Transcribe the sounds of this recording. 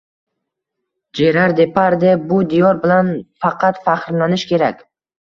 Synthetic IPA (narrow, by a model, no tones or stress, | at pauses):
d͡ʒeɾaɾd̪e̞pʰaɾd̪ɪbʊd̪ijɒɾbɪlanfɑqʰɑt̪faχɾlanɪʃkʲe̞ɾakʲ